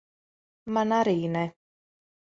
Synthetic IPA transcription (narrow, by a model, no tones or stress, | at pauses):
manaɾiːnɛ